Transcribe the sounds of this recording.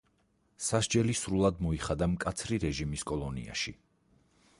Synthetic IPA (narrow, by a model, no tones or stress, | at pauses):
saʃd͡ʒɛlisɾulˠad̪mɔiχad̪amkʼat̪sʰɾiɾɛʒimiskʼɔlˠɔnḭa̰ʃi